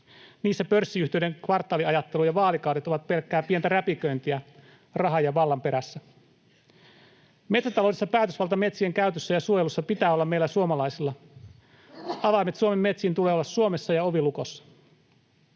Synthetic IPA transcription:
niːsːæpørsːiyht̪ieydeŋkʋɑrt̪ːˑɑːliɑjɑt̪ːelujɑʋɑːlikɑwdet̪oʋɑt̪̚pe̞lkːæːpient̪æɾæpikønt̪iæ | rɑɦɑjɑʋɑlːɑmpe̞ɾæsːæ | met̪sæt̪ɑlowdesːɑpæːt̪øsʋɑlt̪ɑme̞t̪sieŋkæyt̪øsːæjɑsuojelusːɑpit̪æːolːɑmːelːæsuomɑlɑisilːɑ | ɑʋɑimet̪suomemːet̪sint̪uleolːɑsːuomesːɑjɑo̞ʋilukosːɑ̥

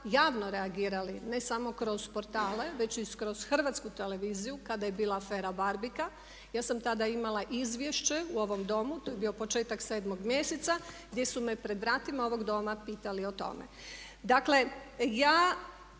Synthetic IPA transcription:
jaːʋno̞ɾe̞aɡiːɾaline̞samo̞kɾo̞zpo̞ɾt̪aːle̞ʋe̞t͡ɕiskɾo̞z̥xr̩ʋat̪skut̪e̞le̞ʋizijukad̪ajebiːlˠaafe̞ːɾabaɾbika | jaːsamt̪ad̪aimalˠaʔizʋje̞ʃt͡ɕe̞uo̞ʋo̞md̪o̞mut̪ojebio̞po̞t͡ʃeːt̪akseːd̪mo̞ɡmje̞set̪saɡd̪je̞sume̞pɾe̞d̪ʋɾaːt̪imao̞ʋo̞ɡd̪o̞ːmapiːt̪alio̞t̪o̞̰mḛ | d̪akle̞jaː

